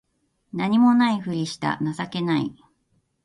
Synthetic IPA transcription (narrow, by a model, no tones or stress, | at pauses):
naɲ̟imo̞naiɸɯ̟ɾʲiɕi̥t̪a̰nasake̞naḭ